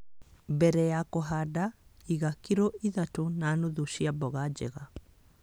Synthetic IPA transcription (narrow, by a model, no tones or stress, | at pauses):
bɛɾɛjakoɦadaiɣakiɾoʔiðatonanoðuʃiabɔɣad͡ʑɛ̰ɣa